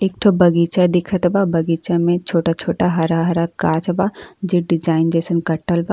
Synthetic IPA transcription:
ek̚ʈʰobɐɡiːt͡ʃad̪ɪkʰət̪babɐɡiːt͡ʃamẽt͡ʃʰoːʈat͡ʃʰoːʈaɦɐɾaɦɐɾakaːt͡ʃɐbad͡ʒɪʈ̚ɖɪd͡ʒaːɪnd͡ʒeːsənkɐʈːəlba

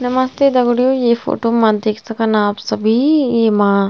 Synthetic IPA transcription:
nɐmɐst̪ed̪ɐɡɽijojeːfo̰ːʈoːmãːd̪eːkʰsɐkənaːpsɐbʱijeːmãː

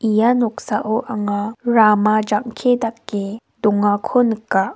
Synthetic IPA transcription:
ʔijanɔk̚saʔoʔaŋaɾamad͡ʒaŋkʰedakːe | dɔŋakʰonəkːa

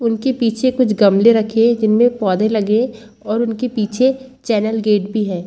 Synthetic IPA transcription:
ʊnkepiːt͡ʃʰekʊt͡ʃʰɡɐmleɾɐkʰẽd͡ʒɪnmẽpɔːd̪ẽlɐɡẽ | ɔːɾʊnkepiːt͡ʃʰet͡ʃɛːnəlɡeːʈ̚bʱiɦɛ̃ː

